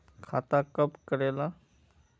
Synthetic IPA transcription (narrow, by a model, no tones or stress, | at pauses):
kʰa̰t̪akəpkəɾela